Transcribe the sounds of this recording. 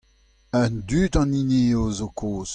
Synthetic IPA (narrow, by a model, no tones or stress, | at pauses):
ə̃ndyːtɑ̃nineːozokʰoːz̥